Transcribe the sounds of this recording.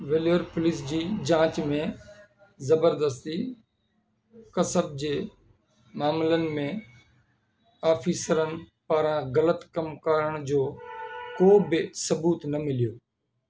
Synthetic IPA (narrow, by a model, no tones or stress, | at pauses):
ʋeːlʋəɾpʊlɪːs̬d͡ʑiːd͡ʑãːt͡ɕmẽ | zəbəɾd̪əst̪i | kəsəb̚d͡ʑeː | maːmlənɪ̆mẽː | aːfʰiːsəɾənɪ̆paːɾãɣələt̪kəmkaːɾəɽ̃d͡ʑoːkoːbɪsəbuːt̪nəmɪlijoː